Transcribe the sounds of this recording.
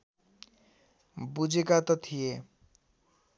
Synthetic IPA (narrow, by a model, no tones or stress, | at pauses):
bud͡zʱekat̪ɔt̪ʰije